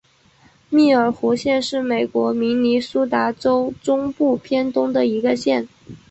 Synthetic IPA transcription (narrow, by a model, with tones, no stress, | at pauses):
mi˥˩ə˞˨˩xu˧˥ɕjɛ˥˧nʂɻ̩˥˩me˨˩ɪkwɔ˧˥mi˧˥ŋni˧˥su˥t̪a˧˥ʈ͡ʂo˥ʊʈ͡ʂʊ˥ŋpu˥˩pʰjɛ˥nt̪ʊ˥ŋd̪ə˨i˧˥ɡə˧ɕjɛ˥˩n